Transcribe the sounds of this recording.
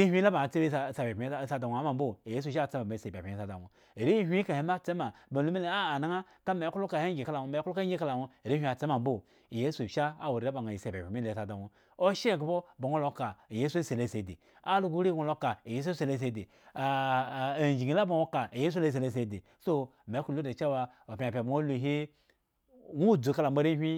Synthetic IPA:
i˦hʷi˦la˦ba˨t͡se˦be˦˨sa˨be˨pʲi˦˨sa˦da˨wo˨a˦ma˨˦bo˦˨je˦s̬u˦˨ʃ̬t͡se˦ma˨ma˨se˨bʲa̰˨pʲi˦˨sa˨da̰˨ŋo˨ | ɾi˦hʷka˨he˨˦ma˦t͡se˦ma˨ba˨lu˦mi˦le˨aː˦˨na˦ŋa˦ | ka˦me˨˦ku˦lo˦ka˨he˦ɡi˨ka˦la˨wo˨me˨˦ku˦lo˦a˦i˦ka˦la˨wo˦˨ɾi˦hʷi˦˨a˨t͡se˦ma˨m˦bo˦˨ | je˦su˨ʃa˦a̰˨wo˨ɾi˨la˦ba˨ŋa˨i˨se˨bʲe˨pi˨mi˦le˨sa˨da˨wʷo˨ | o˦ʃe˦˨ɡbo˦ba˨ŋʷo˦lo˦ka˨je˦su˦se˨le˦se˨dḛ˨ | a˦lu˦ɡu˦ɾi˦˨ŋʷo˦lo˦ka˨je˦s̬u˦se˨le˦s̬e˨de˨ | d͡ʒi˨ɡi˨˦la˦bo˨wʷo˦ka˨je˦s̬u˦le˦˨s̬e˨le˦˨s̬e˨de˨ | so˦˨m˨e˨˦ku˦˨lu˦de˨t͡ʃa˦wa˨ | o˨pʲa˨pʲa˨ba˨ŋo˦lu˨ɦi˦ | wu˦˨d͡zu˨ka˦la˨mbo˨ɾe˦ɦʲʷi˦

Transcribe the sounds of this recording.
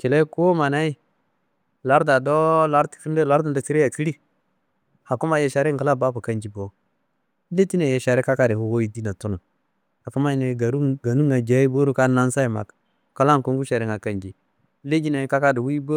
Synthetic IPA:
ke˨le˦ku˦o˦ma˨na˦i˦ | la˦ɾda˨do˦la˦ɾti̥˨fi˦nde˦˨la˦ɾda˨nda˨ti˦ɾe˦ja˨ki˦li˦ | ha˨ku˦ma˨je˦ʃa˨ɾe˦ŋka˨la˦ba˦pa˨ka˦nd͡ʒi˦bo˨˦ | le˦ti˦na˨je˨ʃa˨ɾe˦ka˦ka˦de˨ho˨wo˦ji˦di˦na˨tu˦nu˨ | a˨fu˦ma˦i˨ne˨˦ɡa˨nu˦ŋa˨d͡ʒa˨˦i˦bo˦ɾu˦ka˦na˦n˦sa˦i˨ma̰˨k | ka˦la˦ŋ˨ko˦ŋɡu˦ʃa˨ɾe˦ŋa˨ka˨nd͡ʒi˨˦ | le˦d͡ʒi˦na˨ka˦ka˦di˨wi˦bo˦

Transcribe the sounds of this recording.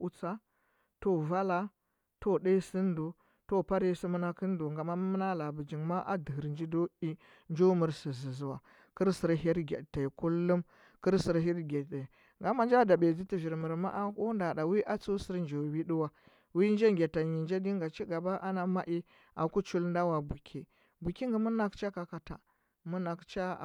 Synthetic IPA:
u˦t͡sa˦ | to˦va˦la˦ | to˦ɗa˦si˦ndu˨ | to˦˨pa˦ɾi˦si˦mə˦na˦ki˦n˦du˨ŋɡa˨ma˦m˦mə˦na˦la˨bu˨d͡ʒi˨ŋma˦ʔa̰˦di˨ɦi˨ɾnd͡ʒi˦do˦i˦ | nd͡ʒo˦mu˨ɾsi˨zi˨zi˨wa̰˨ | kə˦ɾsi˨ɾɦi˦ɾɡʲḛ˨ta˨i˨ku˦lːu˦m | kə˦ɾsi˦ɾɦi˦ɾɡe˨da˨ | ŋɡa˦ma˦nd͡ʒa˦da˨be˨zi˦ti˨vi˨ɾmu˨ɾma̰˦ʔa˦ku˦nda˨ɗa˨wi˦ʔa˦t͡su˦si˦ɾnd͡ʒo˨wi˦ɗu˦wa˨ | wi˦nd͡ʒe˦ŋɡʲe˨ta˨ɲi˨nd͡ʒe˦di˦ŋɡa˨t͡ʃi˦ɡa˨ba˦ʔa˦na˦ma˦ʔi˦ | a̰˨ku˦t͡ʃu˦lnda˦wa˨bu˨kʲʰi˨ | bu˨ki˦ŋɡi˨mu˦na˦kt͡ʃa˦ka˨ka˨ta̰˨ | mu˦na˨kt͡ʃa̰˦˨

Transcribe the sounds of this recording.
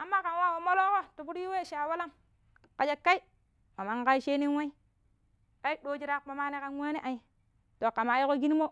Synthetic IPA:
a˨mːa˦ka˨nwa˦wo˨mo˦lo˦ko˦tu˨bu˦ɾji˦we˦˨ʃa˨wa˦la˦ŋ | ka˨d͡ʒe˦kːa˦i˦ | ma˨ma˨ŋka˦i˦ʃe˦ni˦nwa˦i˦ | a˦i˦ɗo˦d͡ʒi˦ɾa˦k̚ma˨ma˦ne˦ka˦nwa˦ne˦ʔa˨i˨ | to˨ka˨ma˨˦ji˦ko˦ɡi˦ni˦mo˦

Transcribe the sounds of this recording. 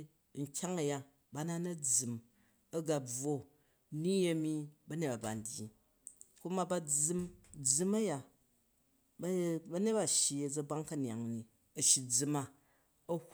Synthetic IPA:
ŋ̩˨kʲa˦ŋɐ˨ja˦ | ba˦na˦nɐ˦d͡zɨ˨m | ɐ˦ɡa˨b͡vwo˦ | ni˦ɐ˦mi˦bɐ˦ne˦t̚ba˨ba̰˨n˨dʲjḭ˨ | ku˦ma˦ba˦d͡zɨ˦md͡zɨ˦mɐ˦ja˨ | bbɐ˦ne˦t̚ba˨ʃji˨ɐ˨d͡zɐ˦ba˦ŋkɐ˦n˨a˨ŋni˨ | ɐ˨ʃi˨d͡zɨ˦ma˦ | ɐ˦h

